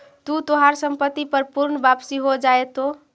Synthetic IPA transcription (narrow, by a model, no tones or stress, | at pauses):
t̪ut̪oɦaɾsəmpət̪ːipəɾpuɾɳbapsiɦod͡ʒaet̪o